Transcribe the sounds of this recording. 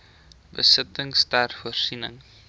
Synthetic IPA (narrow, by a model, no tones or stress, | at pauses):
bə̰sətəŋstærfuərsinəŋ